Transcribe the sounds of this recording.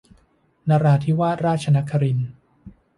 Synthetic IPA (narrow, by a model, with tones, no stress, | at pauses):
naː˧ɾaː˧t̪ʰiː˦˥˩waː˥˩t̪̚ɾaː˥˩t̪̚t͡ɕʰa˧na˦˥kʰːa˧ɾi˧n